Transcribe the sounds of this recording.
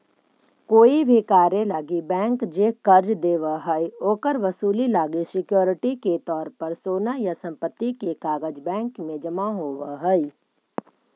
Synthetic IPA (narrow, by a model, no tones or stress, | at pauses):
koːibʱikaːɾjelaːɡibɛ̃ːŋkd͡ʒeːkɐɾd͡ʒd̪eːʋaɦɛioːkəɾʋɐsuːlilaːɡisɪkjoːɾɪʈiket̪ɔːɾpəɾsoːnajasɐ̃mpət̪ːikekaːɡəd͡ʒbɛ̃ːŋkmẽd͡ʒɐmaɦoːʋaɦɛi